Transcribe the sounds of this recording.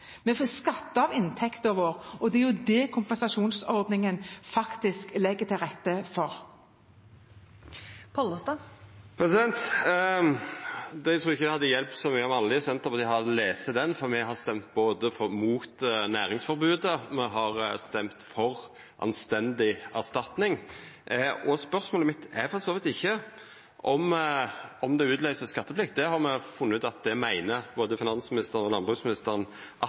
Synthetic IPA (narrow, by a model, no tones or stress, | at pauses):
mɛfoːskɑt̪ːəɑʋɪnt̪ʰɛkt̪oːʋəɾɔd̪ɛæɾjʊd̪ɛkʰʊmpɛsɑʃuːnsɔɾd̪nɪŋənfɑkt̪ɪsklɛɡːət̪ʰɪlʁɛt̪ːəfɔɾ | pʰɔləst̪ɑpʰɾɛsɪd̪ɛnt̪ | d̪ɛt̪ʰɾuːɾɪɪçːəd̪ɛhɑd̪ːəjɛlp̚t̪sɔmyːəɑmɑlːɪsɛnt̪əɾpɔd̪ɪhɑleːsəd̪ɛnfɔɾmɛɦɑst̪ɛmt̪̚boːd̪əfɔmuːt̪næːɾɪŋsfɔɾbʉːd̪əmɛɦɑɾst̪ɛmt̪fɔɾ | ʔɑ̰nst̪ɛnd̪ɪæʁst̪ɑt̪nɪŋ | ɔspœɾsmoːləmɪt̪ːɛfɔɾsoːʋɪt̪ɪçːə | ʔɔm | ɔmd̪ɛʉːt̪lœʏsəskɑt̪ːəpflɪkt̪̚d̪ɛhɑɾmɛfʊnːʉːt̪ɑt̪̚d̪ɛmæɪnəboːd̪əfɪnɑnsmɪnɪst̪əɾənɔlɑnbʁʉːsmɪnɪst̪əɾənʔɑ